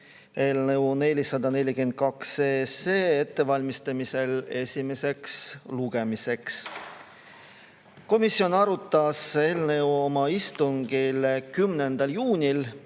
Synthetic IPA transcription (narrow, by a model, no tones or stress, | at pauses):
e̞lneune̞lʲisɑd̪ɑne̞lʲikymend̪̥̚kɑkseːseːet̪ːe̞vɑlʲmist̪ɑmise̞le̞sʲime̞se̞ksluɡ̥e̞mise̞ks | ko̞misːio̞nɑɾut̪ˑːɑse̞lne̞wo̞mɑist̪uŋɡ̥ilkymnend̪̥ɑljuːnʲil